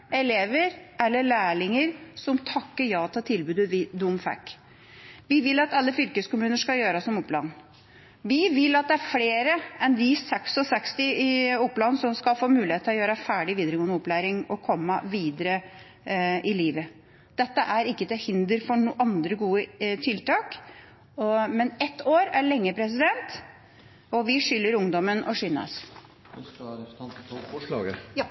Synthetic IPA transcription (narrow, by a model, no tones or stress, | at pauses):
ɛleːʋəɾɛlːəɭæːɭɪŋəɾsɔmt̪ʰɑkːəɾjɑːt̪ʰəlt̪ʰɪlbʉːd̪əʋɪd̪ʊmfæ̰kː | ʋɪʋɪlɑt̪ɑlːəfʏlkəskʊmʉːnəʂkɑljøːɾɑsɔmʊplɑ̰nː | ʋɪʋɪlːɑt̪̚d̪ɛæɾfleːɾəɛnd̪ɪsɛksɔsɛkst̪ɪɪʊpːlɑnsɔmskɑlfoːmʉːlɪheːt̪ːʰlɔjøːɾəfæːɖɪʋiːd̪əɾəɡoːnʊplæːɾɪŋɔkʰɔmːəʋiːd̪əɾə | ɪliːʋə | d̪̥ɛt̪ːəʔæɾɪkːət̪ɛhɪnd̪əɾfɔɳuʔɑnd̪ɾəɡuːət̪ʰɪlt̪ʰɑːk | mɛnɛt̪ːoːɾæɭɛŋːəpʰɾɛs̬ɪd̪ɛnt̪ | ɔʋɪʂʏlːəɾʊŋd̪ɔmənʔɔʂiːnɑ̰s